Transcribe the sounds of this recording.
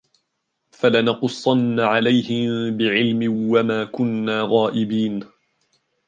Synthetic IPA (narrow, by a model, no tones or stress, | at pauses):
falanɑqʊsˤːɑnːaʕalajhɪmbɪʕɪlmɪwamaːkʊnːaːɣaːʔɪbiːn